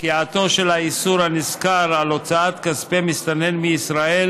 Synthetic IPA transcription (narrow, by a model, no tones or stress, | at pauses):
kiat̪o̞ʃe̞lhaisuɾhaniskaɾalo̞t͡saat̪kaspemist̪ane̞nmiːsʁae̞l